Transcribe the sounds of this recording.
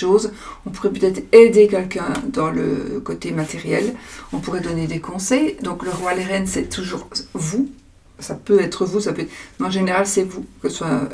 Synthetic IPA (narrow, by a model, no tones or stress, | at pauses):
ozɔ̃puʁɛpøt̪ɛt̪χed̪ekʲɛlkʲɛ̃d̪ɑ̃lə̰kot̪emat̪eʁjɛlɔ̃puʁɛd̪ɔned̪ekɔ̃sɛjd̪ɔ̃kləʁwaleʁɛnsɛt̪ʰuʒuːʁvu | sapøɛt̪χəvusapøɛt̪meɑ̃ʒeneʁalsɛvukəswa